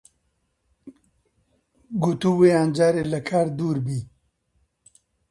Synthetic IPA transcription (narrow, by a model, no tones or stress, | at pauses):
ɡut̪uːweːaːnd͡ʒaːɾeːlɐkʰaːɾd̪uːɾbiː